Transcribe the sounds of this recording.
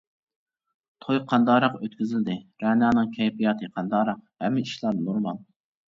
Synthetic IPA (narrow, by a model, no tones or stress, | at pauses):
t̪ʰojqʰɑnd̪ɑːɾɑqøt̪̚kʲyzɪld̪ɪɾɛnɑːnɨŋkʲʰɛjpijɑt̪ʰɨqʰɑnd̪ɑɾɑqhɛ̰mːɪiʃlˠɑɾd̪nuɾmɑnˠ